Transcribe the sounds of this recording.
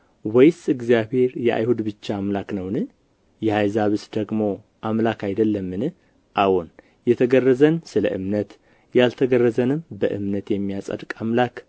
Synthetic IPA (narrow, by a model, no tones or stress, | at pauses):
wɛjsɨɡzijaβhe̞ɾjɛʔa̰jhud̪bɨt͡ʃːaːmlaknəwnɨ | jɛhajzaβɨsd̪əɡmo̞ | ʔamlakʰajd̪əlːəmːɨnɨ | ʔawon | jɛt̪ʰəɡərːəzənsɨlə̰ʔɨmnət̪ | jalt̪ʰəɡərːəzənɨmbəʔɨ̰mnət̪jɛmːijasʼə̰d̪kʼamlak